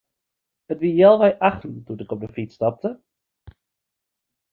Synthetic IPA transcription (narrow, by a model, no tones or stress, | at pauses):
ətʋijɛlˠʋɛjʔɑχtən̩tunɪkɔp̚dəfitstɑp̚tə